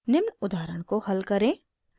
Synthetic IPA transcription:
nɪmnʊd̪aːɾəɽ̃kohɐlkəɾẽː

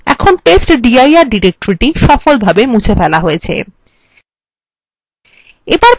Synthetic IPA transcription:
ɛ̰kʰonʈesʈɖiajaɾɖiɾek̚ʈoɾiʈiʃɔfolbʱabemut͡ɕʰefɛlaɦojet͡ɕʰḛ | ebaɾ

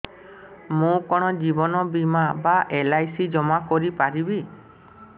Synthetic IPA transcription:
mũkɔɽ̃ɔd͡ʒibɔnɔbimabaʔelajsid͡ʒɔmakɔɾipaɾibi

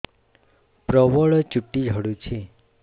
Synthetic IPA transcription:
pɾɔʋɔɭt͡ʃuʈːid͡ʒʱəɽũt͡ʃʰe

